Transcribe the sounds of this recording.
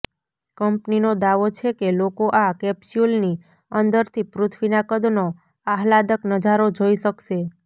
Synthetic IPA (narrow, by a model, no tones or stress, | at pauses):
kəmpninod̪aʋot͡ʃʰekelokoʔakɛpsulni | ənd̪əɾt̪ʰipɾʊt̪ʰʋinakəd̪no | aɦlad̪əknəd͡ʒaɾod͡ʒoiʃəkʃe